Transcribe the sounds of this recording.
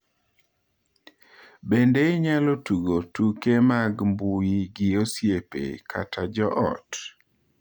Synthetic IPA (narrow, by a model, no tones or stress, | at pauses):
bendeɪɲalotuɡotukemaɡmbujiɡɪosjepḛkʰa̰tad͡ʒɔʔɔ̰t